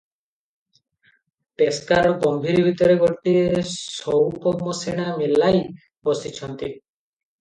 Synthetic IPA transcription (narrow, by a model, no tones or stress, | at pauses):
t̪eskaɾɔɡɔmbʱiɾibʱit̪ɔɾeɡɔʈiesɔwkɔmɔseɽ̃amelaj | bɔsit͡ʃʰɔnt̪i